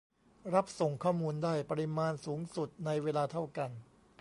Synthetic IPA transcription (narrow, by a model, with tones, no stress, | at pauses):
ɾa˦˥p̚so˨˩ŋkʰɔː˥˩muː˧ndaː˥˩jpa˧ɾi˧maː˧nsuː˩˦ŋsu˨˩t̪̚na˧jweː˧laː˧t̪ʰa˥˩wka˧n